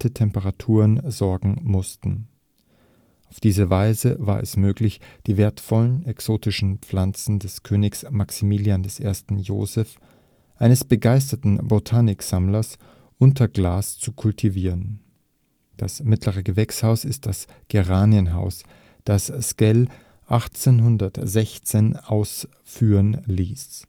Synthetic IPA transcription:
tətʰɛmpəʁatʰuːʁənzɔɐɡŋ̩mʊstn̩ | ʔaʊfd̥iːzəvaɪzəva̰ːɐɛ̰smøːklɪçd̥iːveːɐtfɔlənɛksoːtɪʃn̩p͡flant͡sn̩dɛskʰøːnɪksmaksimiːljandɛsʔeːɐstn̩jo̰ːzɛf | ʔaɪnəsb̥əɡaɪstɐtn̩botʰaːnɪkz̥amlɐs | ʔʊntɐɡlaːst͡sukʰʊltʰiviːʁən | d̥asmɪtləʁ̞əɡəvɛkshaʊsɪst̚d̥as | ɡ̥eʁaːniənɦa̰ʊs | d̥asskɛl | ʔaχt͡seːnɦʊndɐtz̥ɛçt͡seːnaʊs | fyːʁənliːs

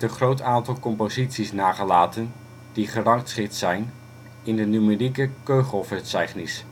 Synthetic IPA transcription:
ənχrowtaːntɑlˠkɔmpozitsisnaːχəlaːtən | d̥iχərɑŋktsχɪtsɛjn | ɪndənymerikəkøɥχɔlˠfɛsɛjχnis

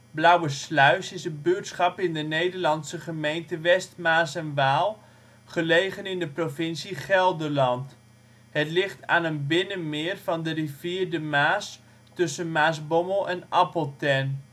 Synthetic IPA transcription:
blawəslœɥsɪsənbøːtsχɑpɪndənejdəɹlɑnsəχəmejntəʋɛstmaːsɛnʋaːlˠ | χəlejχənɪndəprofɪnsiχɛlˠdərlɑnt | hətlɪχtʰa̰ːnənbɪnənmɪːrvɑndəriviːrdəmaːs | tɵsənmaːsbɔməlˠɛnʔɑpəlˠtɛn

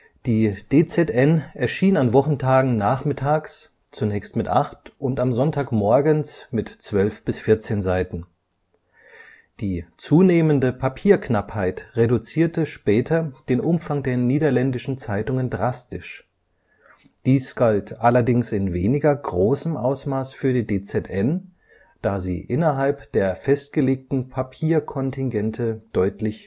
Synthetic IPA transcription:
d̥iːd̥eːt͡sɛtʔɛnɛɐʃiːnanvɔχn̩tʰaːɡŋ̩naːχmɪtʰaːks | t͡sunɛːçstmɪtʔaχtʔʊntamzɔntʰaːkmɔɐɡənsmɪtt͡sv̥œlfb̥ɪsfɪɐt͡seːnzaɪtn̩ | d̥iːt͡suːneːməndəpʰapʰiːɐknaphaɪtʁedut͡siːɐtəʃpɛːtʰɐd̥eːnʔʊmfaŋdeːɐniːdɐlɛndɪʃn̩t͡saɪtʊŋəndʁastɪʃ | d̥iːsɡ̥altʔalɐdɪŋsɪnveːnɪɡɐɡʁoːsəmʔa̰ʊsmaːsfyːɐdiːdeːt͡sɛtʰʔɛn | d̥aːzḭːʔɪnɐɦalpd̥eːɐfɛst̚ɡ̥əleːk̚tn̩pʰapʰiːɐkʰɔntʰɪŋɡɛntʰəd̥ɔʏtʰlɪç

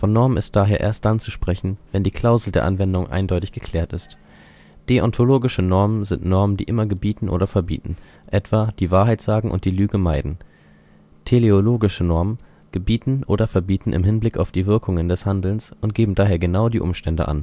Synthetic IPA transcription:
fɔnːɔɐmənɪst̚d̥aːɦeːɐʔḛːɐst̚d̥ant͡suʃpʁ̥ɛçn̩vɛndiːkʰl̥aʊzl̩deːɐʔa̰nvɛndʊŋʔa̰ɪndɔʏtɪçɡ̥əkʰl̥ɛːɐtɪst | ɡ̥eːʔɔntʰoloːɡɪʃənɔɐmənzɪntnɔɐməndḭːʔɪmɐɡəbiːtn̩ʔo̰ːɾɐfɛɐbḭːtn̩ | ʔɛtv̥aːd̥iːvaːɐɦaɪtz̥aːɡŋ̩ʔʊ̰ntd̥iːlyːɡəmaɪdn̩ | tʰeleoloːɡɪʃənɔɐmən | ɡ̥əbiːtn̩ʔoːɾɐfɛɐbiːtn̩ʔɪ̰mɦɪnblɪka̰ʊfd̥iːvɪɐkʰʊŋəndɛshandl̩nsʔʊnt̚ɡ̥eːbm̩daːɦeːɐɡənaʊdiːʔʊ̰mʃtɛndə̰ʔa̰n

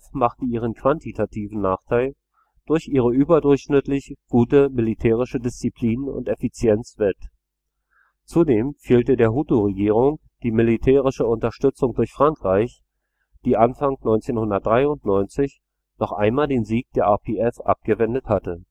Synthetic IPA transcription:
fmaχtəiːʁ̞ənkʰv̥antʰitʰatʰiːvn̩naːχtʰaɪl | d̥ʊɐçʔiːʁ̞əʔyːbɐdʊɐçʃnɪtlɪçɡ̥uːtəmɪlitʰɛːʁ̞ɪʃədɪst͡sipʰl̥iːnʊ̰ntɛfit͡sjɛnt͡sv̥ɛt | t͡sudeːmfeːltədeːɐɦuːtuʁeɡiːʁ̞ʊŋ | d̥iːmɪlitʰɛːʁɪʃəʊntɐʃtʏt͡sʊŋdʊɐçfʁ̥aŋkʁ̥aɪç | d̥iːʔanfaŋnɔʏnt͡seːnhʊndɐt̚d̥ʁaɪʊntnɔʏnt͡sɪç | nɔχʔa̰ɪnmaːldeːnziːk̚d̥eːɐapʰeɛfʔa̰p̚ɡ̥əvɛndəthatə

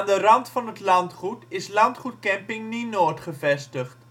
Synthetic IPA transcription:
andərɑntfɑnɦətlɑntχutɪslɑntχut̚kɛmpɪŋninoːtχəvɛstəχt

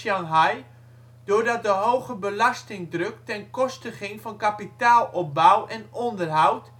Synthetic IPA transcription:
jaŋɦaj | d̥oːɹdɔt̚dəɦowɣəbəlastɪŋdrøk̚tɛnkɔstəχɪŋfɔnkapitaːlˠɔp̚bawɛnɔndərɦawt

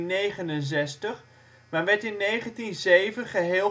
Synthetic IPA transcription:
nːejχənənzɛstəχ | manʋɛɹtɪnːejχəntinzejvəχəɦɪː

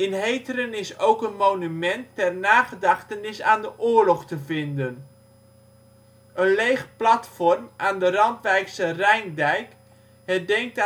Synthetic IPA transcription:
ɪnɦejtəɾənɪsowkənmownymɛntːɛrnaːχədɑχtənɪsaːndəʔʊːɹlɔχtəvɪndən | ʔənlejχplɑtfɔrmʔaːndərɑntʋɛjksərɛjndɛjk | ɦɛdɛŋk̚t

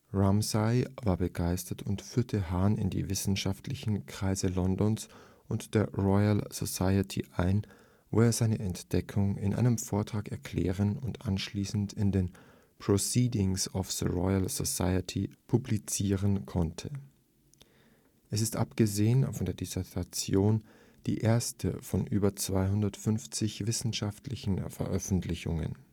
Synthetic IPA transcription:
ʁamsaɪvaːɐbəɡaɪstɐtʰʊntfyːɐtʰəɦaːnɪ̰ndḭːvɪsn̩ʃaftʰlɪçn̩kʁ̥aɪzəlɔndɔns | ʔʊntd̥eːɐʁɔʏəlz̥o̰saɪətʰḭʔaɪn | vo̰ːeːɐzaɪnəʔɛntd̥ɛkʰʊŋɪ̰nʔa̰ɪnəmfoːɐtʁ̥aːkɛɐkʰl̥ɛ̰ːʁ̞ənʊntʔanʃliːsn̩tɪndeːn | pʁ̥osiːdɪŋsɔfsəʁɔʏalzo̰sa̰ɪətʰipʰublit͡siːʁənkʰɔntʰə | ʔɛsɪstʔa̰pɡ̥əzeːənfɔndeːɐdisɛɐtʰat͡sjoːn | d̥ḭːʔeːɐstʰə̰fɔnʔyːbɐt͡sv̥aɪɦʊndɐtfʏnft͡sɪçvɪsn̩ʃaftʰlɪçn̩fɛ̰ɐʔœfn̩tlɪçʊ̰ŋə̰n

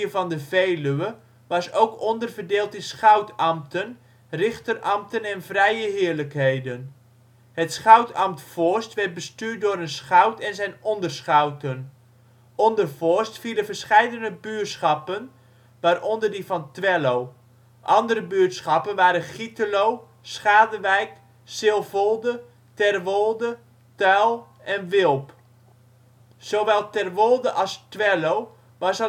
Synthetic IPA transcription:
əvɑndəvejlyə | ʋɑsowkʰɔndərvərdeːlˠtənsχœwtɑmtən | rɪχtərʔɑmtənɛnvrɛjəɦɪːɹləkɦejdən | hətsχœwtɑmtfɔɹstʋɛt̚bəstyːt̚dʊːɾənsχœwtɛnzɛjnɔndərsχawtən | ʔɔndərfɔɹstfiləvərsχɛjdənəbyətsχɑpən | ʋaːrʔɔndərdifɑntʋɛlow | ʔɑndərəbyːtsχɑpənʋaːɾənχitəlow | sχaːdəʋɛjk | sɪlˠvolˠdə | tɛrʋolˠdə | tœlˠ | ʔɛnʋɪlˠp | soʋɛlˠtɛrʋolˠdəʔɑlˠstʋɛlow | ʋɑsə

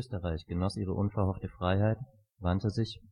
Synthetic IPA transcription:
øːstəʁaɪçɡ̥ənɔsʔiːʁ̞əʔʊnfɛɐhɔftəfʁ̥aɪɦaɪt | vantəzɪç

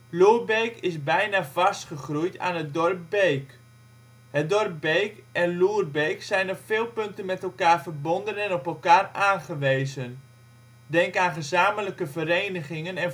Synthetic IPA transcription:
luːrbejkɪzbɛjnaːvɑstχəχrujta̰ːnɦət̚dɔrp̚bejk | hət̚dɔrp̚bejkʔɛnluːrbejksɛjnɔpfɪːlˠpɵntənmɛtɛlˠkaːrvərbɔndənɛnɔpɛlˠkaːraːnχəʋejzən | dɛŋkaːnχəzaːmələkəvəɾejnəχɪŋənɛn

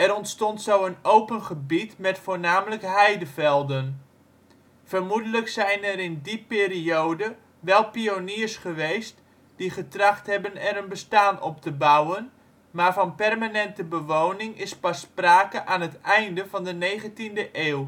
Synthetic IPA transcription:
ɛɾɔntstɔntsowənowpənχəbitmɛtfoːɹnaːmələkɦɛjdəvɛlˠdən | fərmudələksɛjnɛɾɪndipɪːɾiowdə | ʋɛlˠpioniːrsχəʋejst | d̥iχətrɑχtɦɛbənɛrənbəstaːnɔ̰p̚təbawən | maːɹvɑnpɛrmanɛntəbəʋownɪŋɪspɑspraːkəʔaːnɦətɛjndəvɑndənejχəntindəʔeːw

